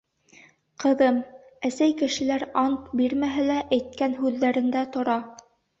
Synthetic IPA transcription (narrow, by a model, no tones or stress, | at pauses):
qɤ̆ðɤm | æsæjkɘ̆ʃɘ̆læɾɑnt̪biɾmæɦælæʔæjt̪̚kænɦʉðːæɾɘ̆nd̪æt̪ŏɾɑ